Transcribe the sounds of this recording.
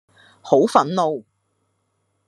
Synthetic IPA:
ho˨˥wfɐ˨˥nlo˨w

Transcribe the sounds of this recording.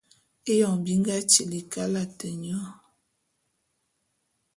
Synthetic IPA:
e˦jɔ˨ŋ˨bi˦ŋ˦ɡa˦t͡ʃe˨li˨ka˦la˦tə˨ɲɔ˦

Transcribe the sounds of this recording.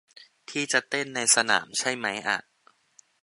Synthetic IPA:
t̪ʰiː˥˩t͡ɕa˨˩t̪e˥˩nːa˧jsa˧na̰ː˩˦mt͡ɕʰa˥˩jma˦˥jʔa̰˨˩ʔ

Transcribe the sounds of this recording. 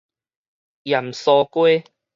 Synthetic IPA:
jɐ˨˩msɔː˧kwe˦

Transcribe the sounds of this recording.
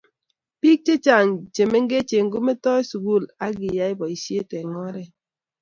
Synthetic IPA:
pi˦k̚t͡ʃe˦t͡ʃa˨ŋt͡ʃe˨me˦ŋ̩˦ɡe˦t͡ʃe˨ŋ̩˦ɡu˦me˦tɔ˦su˨ɡu˦˨la˦ɡi˨ja˦i˦bɔ˨i˨sje˦tɛ˨ŋɔ˦ɾɛ˦

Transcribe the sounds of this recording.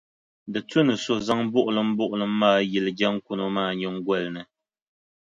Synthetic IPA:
dɨ˨tu˦nɨ˨so˨za˦ŋ˦bʊ˦ʔʊ˨lɨ˨˦m̩˦bʊ˦ʔʊ˨lɨ˨m̩˦maː˦ji˨lɨ˨d͡ʒa˦ŋ̩˦ku˦no˦maː˦˨ɲɔ˦ŋ˦ɡwɛ˦˨lnɨ˨

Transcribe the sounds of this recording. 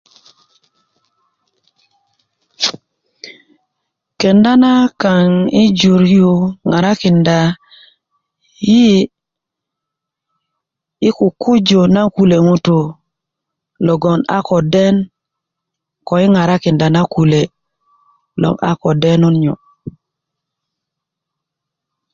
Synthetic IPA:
kɛ˨nda˦na˦ka˨ŋi˦d͡ʒu˨ɾju˨ŋa˨ɾa˦kɪ˨nda˨ | ji˦ | i˦ku˨ku˦d͡ʒo˨na˦ku˦le˨ŋu˦tu˨ | lɔ˨ɡɔ˨na̰˦kɔ˨dɛ˦n | kɔ˨i˦ŋa˨ɾa˦ki˨nda˨na˦ku˨le˨ | lɔ̰˨ŋa̰˦kɔ˨dɛ˦nu˦nɲɔ̰˨

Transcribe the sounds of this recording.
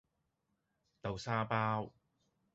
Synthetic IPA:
t̪ɐ˨˧wsaː˥paː˥w

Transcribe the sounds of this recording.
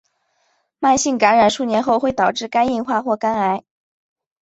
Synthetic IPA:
ma˥˧nɕi˥˩ŋka˧˥nɻa˨˩nʂu˥˩njɛ˧˥nxo˥˧ʊxwe˥˩ɪt̪ɑ˨˩ʊʈ͡ʂɻ̩˥˩ka˥ni˥˧ŋxwa˥˧xwɔ˥˩ka˥na˧˥ɪ

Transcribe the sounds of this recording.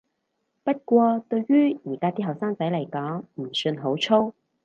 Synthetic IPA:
pɐ˥t̚kʷɔː˧t̪ɵ˧ɥɥyː˥jiː˨˩kaː˥t̪iː˥ɦɐ˨wsaː˥ŋt͡sɐ˨˥jlɐ˨˩jkɔː˨˥ŋm̩˨˩sɵ˧nɦo˨˥wt͡ʃʰo˥w

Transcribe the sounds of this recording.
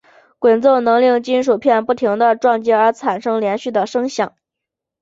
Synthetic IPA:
kwə˨˩nt͡so˥˩nɤ˧˥ŋli˥˩ŋt͡ɕi˥nʂ̬u˨˩pʰjɛ˥˧npu˥˩t̪ʰi˧˥ŋd̪ə˧ʈ͡ʂwɑ˥˧ŋt͡ɕi˥ə˞˧˥t͡sʰa˨˩nʂɤ˥ŋljɛ˧˥nɕy˥˩d̪ə˩ʂɤ˥ŋɕjɑ˨˩˦ŋ

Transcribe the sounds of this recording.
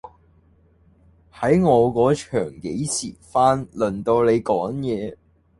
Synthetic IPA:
hɐ˨˥jŋɔː˨˧kɔː˨˥t͡ʃʰœː˨˩ŋke˨˥jsʰiː˨˩faː˥nlɵ˨˩nt̪o˧wle˨˧jkɔː˨˥ŋjɛː˨˧

